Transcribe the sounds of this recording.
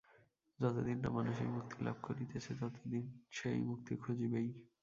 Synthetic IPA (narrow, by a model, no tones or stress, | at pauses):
d͡ʑɔt̪od̪inʈa̰manuʃḛjmuk̚t̪ʰila̰b̚ʱkoɾit̪et͡ɕʰed͡ʑɔt̪od̪inʃejmuk̚t̪ikʰud͡ʑibej